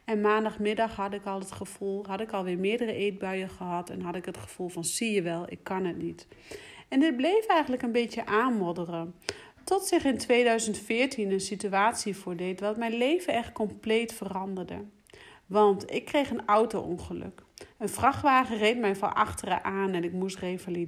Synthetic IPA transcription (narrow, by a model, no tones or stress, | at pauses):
ɛnmaːndɑχmɪdɑχɦɑdɪkɑlˠətχəv̥ulˠɦɑtɪkɑlˠʋɪːɹmɪːɹdərəʔejt̚bœɥəχəɦɑtɛ̰nɦɑtɪkɦətχə̥v̥ulˠvɑnsijəʋɛlˠɪ̰kːɑnɦətnit | ɛndɪt̚blejfɛjχəntləkənbejtjəʔaːnmɔdərə | tɔtsɪχɪntʋejdœɥzəntfɪːɹtʰinənsityaːtsivʊːɹdejtʋɑtmɛjnlejvəɛχt̚kɔmplejtfərɑndəɹdə̰ | ʋɑntɪkːrejχənawtoɔ̰nχəlɵ̰kənvrɑχʋaːχərejt̚mɛjnfɔ̰nʔɑ̰χtərə̰ʔaːnɛnɪkmustrejvali